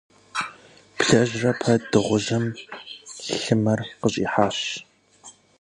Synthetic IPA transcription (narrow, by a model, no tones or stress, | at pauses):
pɬɐʑrɐpʰɐdɨʁʷʊʑɐm | ɬɨmɐrqəɕʼḭːħaːɕ